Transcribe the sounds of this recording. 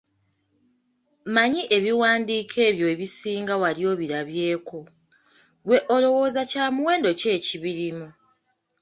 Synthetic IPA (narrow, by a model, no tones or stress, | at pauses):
maɲiʔe̞βiwaːndiːkʰe̞ːβjo̞eβisiːŋɡawaljo̞ːβiɾaβje̞ːko̞ | βwe̞ʔolo̞wo̞ːzacaːmuwe̞ːndo̞ce̞ːciβiɾimu